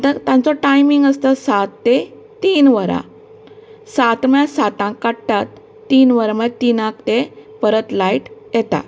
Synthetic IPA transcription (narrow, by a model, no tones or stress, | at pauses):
t̪ət̪jãnt͡sɔʈajmiŋɡəst̪əsat̪ːe | t̪iːnʋəɾã̰ | sat̪mjãsat̪ãkːaɽʈ̪at̪ː | iːnʋəɾamət̪inãkt̪epəɾət̪laiʈjɛt̪a̰